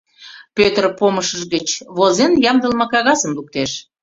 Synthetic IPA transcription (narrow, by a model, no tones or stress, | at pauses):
pøt̪rpoməʃəʃɣət͡ɕβozenjɑmd̪əlmɑkɑɣɑsəmluk̚t̪eʃ